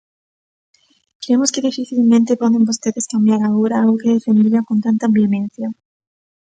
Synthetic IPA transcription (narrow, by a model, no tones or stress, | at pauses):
kɾeemoskeðifiθilmẽnt̪epɔðembost̪eðeskambjaɾaɣoɾaookeðefend̪iɾakont̪ant̪abjomẽn̟θja